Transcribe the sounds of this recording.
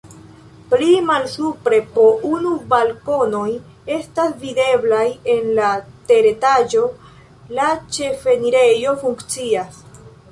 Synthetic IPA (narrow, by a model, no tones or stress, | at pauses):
plimalsupɾe̞po̞ʔunubalko̞no̞j | e̞stasvide̞blaje̞nlate̞ɾe̞tad͡ʒo̞ | lat͡ʃe̞fe̞niɾe̞jo̞fuŋkt͡sias